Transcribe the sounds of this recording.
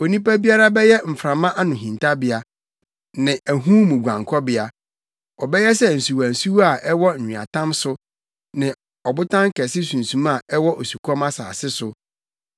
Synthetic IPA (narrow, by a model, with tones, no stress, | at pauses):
o˨nĩ˦pa˦bi˦a˦ɾa˦bɛ˦jɛ˦m̩˨fɾa˨mã˦ʔa˦nʊ̃˨ɦĩ˨ntʰa˦bɪ˦a˨ | nɪ̃˨ʔæ˨ɦũ˦mũ˨ɡʷã̰˨ŋkʰɔ˦bɪ˨a˨ | ɔ˨bɛ˦jɛ˦sɛ˦n̩˨su˨wa˨n̩˨su˦wa˨ʔɛ˦wɔ˦n̩˨ɲᶣĩ˨a̰˨tʰã˦msʊ˦ | nɪ̃˨ | ɔ˨bʊ˦tʰã˦ŋ˦kʰɛ˨sɪ˦sũ˨n˨sũ˨ma˨ɛ˦wɔ˦ʔo˨su˨kʰɔ˦ma˦sa̰ː˨sɪ˦sʊ˨